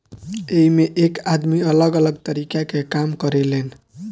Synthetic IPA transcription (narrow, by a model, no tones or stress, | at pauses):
eimeʔekad̪miələɡələɡ̚t̪əɾikakekamkəɾelen